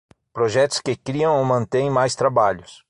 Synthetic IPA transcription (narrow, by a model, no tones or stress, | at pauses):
pɾoʒɛt̪ʊ̥skɪkɾiɐ̃w̃owmɐ̃nt̪ẽj̃majst̪ɾabaʎʊs